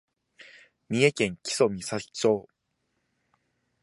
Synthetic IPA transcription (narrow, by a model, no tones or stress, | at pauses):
mʲie̞kẽ̞ŋkʲi̥so̞mʲisai̥t͡ɕo̞ː